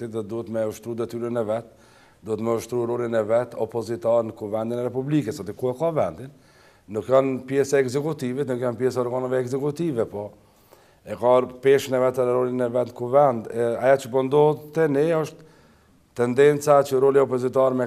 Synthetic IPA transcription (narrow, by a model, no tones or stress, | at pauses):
id̪ɔt̪̚d̪uhɛt̪mɛuʃt̪ɾud̪ɛt̪yɾənɛvɛt̪ | d̪uɛt̪mɛuʃt̪ɾuɾɔlinɛvɛt̪ɔpɔzit̪aɾnəkuvɛnd̪inɛɾɛpublikɛsɔt̪ikuɛkavɛnd̪inː | ukjɔnpjɛsaɛɡzɛkut̪ivit̪nukjanpjɛsaɔɾɡanavɛːɡzɛkut̪ivɛpɔ | ɛkapɛʃnɛvɛt̪ɾɛɾɔlinɛvɛt̪nkuvɛnd̪ɛajat͡ʃəpɔnd̪ɔt̪t̪ɛnɛɔʃt̪ | t̪ːɛnd̪ɛnt͡sat͡ʃəɾɔliɔpɔzit̪aɾmɛ